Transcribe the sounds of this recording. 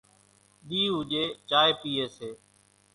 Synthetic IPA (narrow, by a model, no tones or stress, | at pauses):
ɗ̪iːɦʊʄeːt͡ʃaːeːpiːeːseː